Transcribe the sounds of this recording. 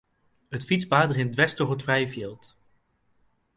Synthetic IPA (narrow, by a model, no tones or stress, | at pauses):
ɦətfitspaːdərɪndʋɛstɔχətfrɛjəviːlˠt